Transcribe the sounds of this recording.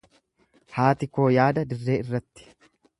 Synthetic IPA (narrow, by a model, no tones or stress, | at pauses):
haːt̪ɪko̞ːjaːd̪ɐd̪ɪrːe̞ːɪrːɐt̪ːɪ̥